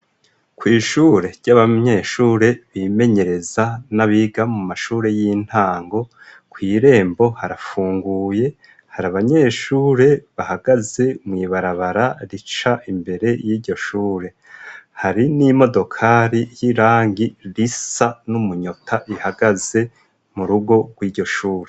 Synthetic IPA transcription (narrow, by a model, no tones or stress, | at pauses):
kwiːʃuːɾe̞ɾɟ̥aβaɲe̞ːʃuːɾe̞βime̞ɲe̞ɾe̞zanaβiɡamumaʃuːɾe̞jin̥haːŋɡo̞ | kwiːɾe̞ːmbo̞haɾafuːŋɡuːje̞ | haɾaβaɲe̞ːʃuːɾe̞βahaɡ̥aze̞mŋiːβaɾaβaɾaɾit͡ʃaʔimbe̞ɾe̞jiːɾɟo̞ʃuːɾe̞ | haɾinimo̞do̞kʰaːɾijiɾaːŋɡiɾisanumuɲotʰaʔihaɡaze̞ | muɾuɡo̞ɡ̥wiːɾɟo̞ʃuːɾe